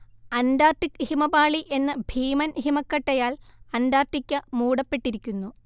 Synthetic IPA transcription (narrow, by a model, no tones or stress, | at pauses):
ɐnd̪aːrʈikhimɐbaːɭiʔe̞nːɐbʱiːmɐnɦimɐkːɐʈːɐjaːɭɐnd̪aːrʈikʲːɨmuːɽɐpːe̞ʈːiɾikʲːunːu